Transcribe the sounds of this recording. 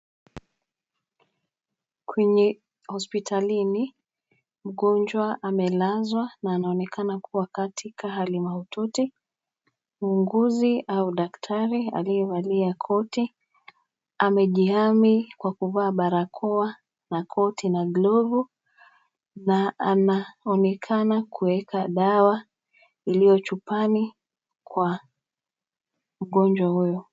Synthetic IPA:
kʰwɛɲɛ | hɔspitʰalini | m̩ɠɔnd͡ʒwaʔamɛlazwanaːnaɔnɛkanakʰuwakatʰikʰaɦalimahɔtɔti | muːŋɡuziauɗaktʰaɾia̰liɛvaliakʰɔti | amɛʄihamikwakuvaːɓaɾakʰɔa | nakʰɔtinaɡlɔvu | naanaɔnɛkʰanakuɛkʰaɗawa | ilijɔt͡ʃupani | kwa | m̩ɠɔnd͡ʒwahujɔ

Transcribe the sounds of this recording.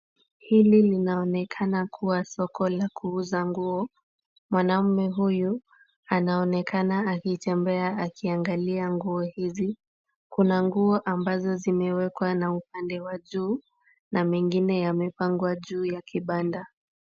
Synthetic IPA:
hililinaɔnɛkʰanakʰuwasɔkʰɔlakuuzaŋɡuɔ | mwanam̩mɛɦuju | anaɔnɛkanaːkiːtɛmbɛaakiaŋɡaliaŋɡuɔhizi | kunaŋɡuɔʔambazɔzimɛwɛkwanaup̚andɛwaʄuː | namɛŋɡinɛjamɛpaŋɡwaʄuːjakʰiɓanda

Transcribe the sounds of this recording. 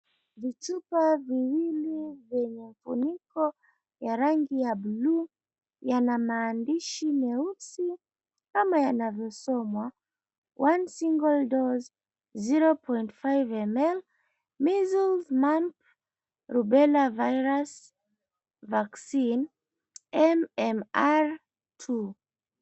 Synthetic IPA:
vitupaviwilivjɛɲɛɱfṵnikɔ | jaɾaŋɡijablu | janamaːndiʃimɛusi | kamajanavjɔsɔmwa | wʔansiŋɡɔldɔz | ziɾɔpʰɔjntfajvɛmɛl | mizulzmamp | ɾubɛlavajɾas | vaksin | ɛmɛmaɾ | tʰu

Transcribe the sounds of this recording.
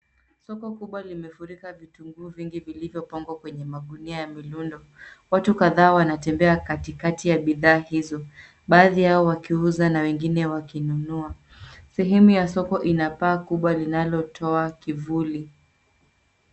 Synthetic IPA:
sɔkɔkuɓwalimɛfuɾikavituŋɡuːviŋɡivilivjɔpaŋɡwakwɛɲɛmaɠuniajamilundɔ | watukaðaːwanatɛmbɛakatikatijaɓiðaːhizɔ | ɓaːðijaɔwakiuzanawɛŋɡinɛwakinunua | sɛɦɛmujasɔkɔʔinapaːkuɓwalinalɔtʰɔakivuli

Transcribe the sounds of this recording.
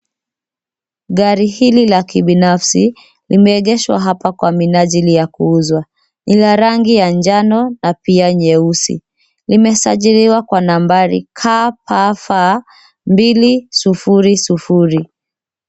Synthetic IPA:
ɠaɾihililakiɓinafsi | limɛːɠɛʃwa̰ɦapakwaminaʄilijakuuzwa | nilaɾaŋɡijand͡ʒanɔnapiaɲɛusḭ | limɛsaʄiɾiwakwanambaɾḭkʰapafa | mbilisufuɾisufuɾi

